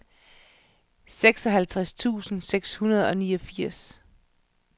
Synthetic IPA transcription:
seɡ̥sɒ̽ɦælt͡sʰʁast͡sʰṵːsn̩seɡ̥shunɐð̞̩ˠɒ̽niːɒ̽fiɐ̰s

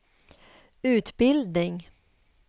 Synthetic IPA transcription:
ʉ̟ːt̪bɪld̪nɪŋ

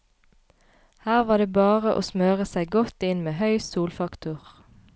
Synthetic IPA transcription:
hæːʁʋɑːd̪eːbɑːʁəʔo̰ːsmøːʁəsæɪɡɔt̪ɪnmeːhœʏsuːlfɑkt̪ʊʁ

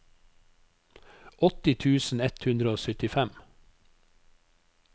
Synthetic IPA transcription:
ʔɔt̪ɪt̪ʰʉːsn̩ɛt̪hʉnd̪ɾəoːsœt̪ɪfæm

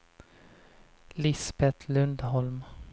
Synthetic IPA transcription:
lɪsbɛt̪ʰlɵnd̪ɦɔlm

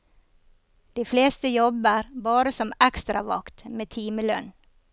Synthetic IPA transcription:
d̪̥iːfleːst̪əjɔbəɾbɑːɾəsɔmækst̪ɾɑʋɑ̰kt̪meːt̪ʰiːməlœ̰n

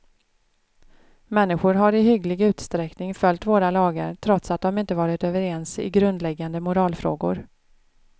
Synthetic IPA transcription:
mɛnːɪɧʊɾɦaɾɪɦʏɡlɪɡʉ̟ːt̪st̪ɾɛknɪŋfœlʲːt̪voːɾalɑːɡə̰ɾt̪ʰɾɔt̪sat̪̚d̪ɔmɪnt̪əvɑːɾɪt̪øːvəɾɛnsɪ̰ɡɾɵnd̪lɛɡːand̪əmʊɾɑːlfɾo̰ːɡʊ̰ɾ

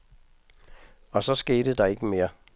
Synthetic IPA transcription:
ɒ̽sɒ̽sɡ̥e̝̰ːd̥əd̥ɑ̈e̝ɡ̥əme̝ːɐ

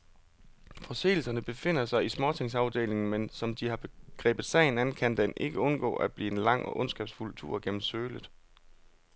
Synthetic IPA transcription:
fɒ̽se̝̰ːl̩sɐnəb̥e̝fe̝n̰ɐsɑ̈ɪismɒːt͡sʰe̝ŋsɑ̈ʊd̥e̝̰ːle̝ŋn̩mensɒ̽md̥ihɑ̈b̥e̝ɡ̥ʁɛ̰ːb̥ð̞̩ˠsɛ̰ɪn̩ænn̩kʰænd̥enʔe̝ɡ̥əɔ̽nɡ̥ɔ̰̽ːʔæb̥lḭːe̝nlɑ̈ŋ̰ɒ̽ʔɔ̽nsɡ̥ɛ̰ːb̥sfult͡sʰṵɐ̰ɡ̥en̰m̩søːləð̩ˠ

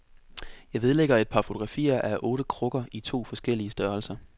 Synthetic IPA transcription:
jɑ̈ɪʋe̝ð̞ˠleɡ̥ɐe̝d̥̚pʰɑ̈fo̝t͡sʰo̝̥ʁɑ̈fḭːɐʔæʔɔ̽ːɾ̥əkʰʁɔ̽ɡ̥ɐit͡sʰo̝̰ːfɒ̽sɡ̥el̰iəsd̥ɶɐl̩sɐ

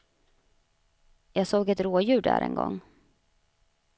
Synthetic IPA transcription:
jɑːɡsoːɡɛt̪ɾoːjʉ̟ːɖæ̰ːɾʔɛ̰nɡɔ̰ŋː

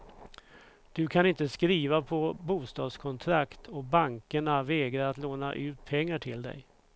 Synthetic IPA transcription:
d̪̥ɵkʰanɪnt̪əskɾiːvapʰɔbuːst̪ɑːd̪skʰɔnt̪ʰɾakt̪ʰɔbaŋkəɳavɛːɡɾaɾat̪loːna̰ʔʉ̟ːt̪̚pʰɛŋːaʈʰɪld̪ɛ̰j

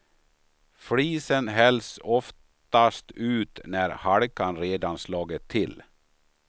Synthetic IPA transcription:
fɽiːsənɦɛlsɔft̪ast̪ʉ̟ːt̪næɾhaɽkanɾeːd̪anslɑːɡət̪ʰːɪl

